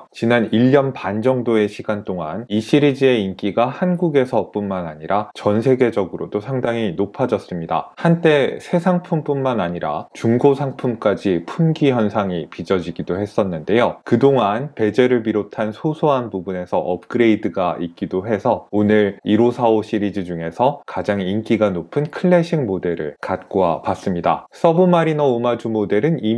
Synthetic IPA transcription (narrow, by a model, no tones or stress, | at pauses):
t͡ɕinaniʎːʌnpand͡ʑʌŋdoe̞ɕʰiɡant͈oŋaniɕʰiɾid͡ʑie̞ink͈iɡahanɡuɡe̞sʰʌp͈unmanaɲiɾat͡ɕʌnsʰe̞ɡe̞d͡ʑʌɡɯɾodosʰaŋdaŋinopʰad͡ʑʌs͈ɯmɲida̰hant͈e̞sʰe̞sʰaŋpʰump͈unmanaɲiɾa̰t͡ɕuŋɡosʰaŋpʰumk͈ad͡ʑipʰumɡiçjʌnsʰaŋipid͡ʑʌd͡ʑiɡidohe̞s͈ʌnːɯnde̞jokɯdoŋanpe̞d͡ʑe̞ɾɯɭpiɾotʰansʰosʰoɦanpubune̞sʰʌʔʌp̚k͈ɯɾe̞idɯɡaʔik̚k͈idoɦe̞sʰʌonɯɾiɾosʰaoɕʰiɾid͡ʑid͡ʑuŋe̞sʰʌkad͡ʑaŋink͈iɡanopʰɯnkʰɯɭːe̞ɕʰiŋmode̞ɾɯ̰ɭkat̚k͈owapas͈ɯmɲida̰s͈ʌbumaɾinʌomad͡ʑumode̞ɾɯni